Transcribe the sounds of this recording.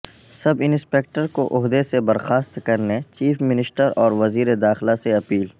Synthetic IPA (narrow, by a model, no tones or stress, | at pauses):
sɐbɪnspeːk̚ʈəɾkoʔʊɦd̪esebɐɾxaːst̪kɐɾnet͡ʃiːfmɪnɪsʈəɾɔːɾʋɐziːɾed̪aːxɪlaseɐpiːl